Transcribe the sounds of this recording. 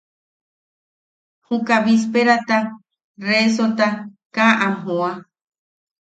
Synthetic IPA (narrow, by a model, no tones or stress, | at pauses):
hũkaβis̬peɾat̪a | res̬ot̪akaʔaɦoa